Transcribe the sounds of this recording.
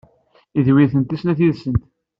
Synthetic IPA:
iðwiθənt̪isnæθiðsənt̪

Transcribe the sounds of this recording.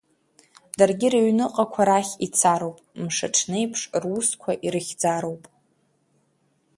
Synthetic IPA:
d̥arɡʲɪɾaɥnɨqʼakʷʰaɾaχʲit͡sʰaɾo̞wpʼmʂaʈ͡ʂʰne̞jpʰʂrwuskʷʰaʔiɾɨχʲd͡zaɾowpʼ

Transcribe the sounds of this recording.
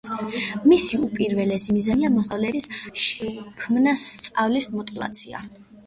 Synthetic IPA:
misiupʼiɾvɛlɛsimizaniamɔχavlɛɾisʃɛkʰmnast̪sʼavlismɔt̪ʼiva̰t̪sʰia̰

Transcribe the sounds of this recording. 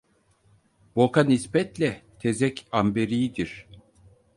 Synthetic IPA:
bokanispɛt̪lʲɛt̪ʰe̞zɛcʰambe̞ɾijid̪iɾ̥

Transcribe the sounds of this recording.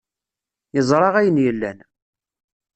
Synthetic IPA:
jəzˤɾˤɑʁæjənjəlːæn

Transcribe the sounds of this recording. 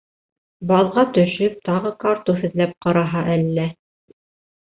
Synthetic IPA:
bɑðˠʁɑt̪ɵ̆ʃɵp̚t̪ɑʁɤkɑɾt̪uɦɘ̆ðlæp̚qɑɾɑɦɑʔælːæ

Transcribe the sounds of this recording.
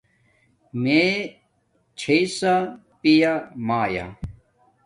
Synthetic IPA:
me | t͡ɕʰeisa | pijamaːja̰

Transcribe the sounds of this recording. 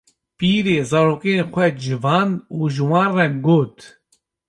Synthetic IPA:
piːɾeːzaːɾoːkeːnxʷɛd͡ʒɨvɑːnuːʒɨwɑ̃ːnrɛɡoːt̪

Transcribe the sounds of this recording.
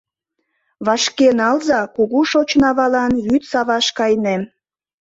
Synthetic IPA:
βɑʃkenɑlzɑkuɣuʃot͡ɕnɑβɑlɑnjyt̪sɑβɑʃkɑjnem

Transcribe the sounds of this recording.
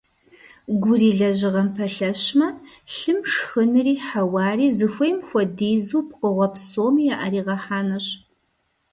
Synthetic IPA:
ɡʷʊriːɮɐʑɪʁɐmpʰɐɬɐɕmɐ | ɬɨmʂxɨnɨriːħawɑːriːzɨxʷɐjmxʷɔdeːzuːp̚qəʁʷɔpsoːmijaʔɐɾiːʁɐħaːnɐɕ

